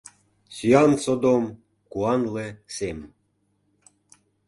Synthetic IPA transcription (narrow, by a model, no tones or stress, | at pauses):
syɑnsod̪om | kuɑnlesem